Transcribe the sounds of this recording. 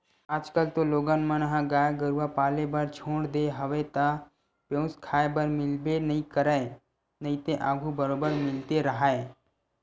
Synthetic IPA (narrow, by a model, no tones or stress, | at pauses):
aːd͡ʒkəlt̪oloːɡənmənɦãɡaːjɡəɾuapaːlebəɾt͡ʃʰoːɽd̪eɦəʋet̪a | pjõːskʰaːebəɾmɪlbenəɦĩkəɾə | nəĩt̪eʔaːɡʱubəɾoːbəɾmɪlt̪eɾəɦae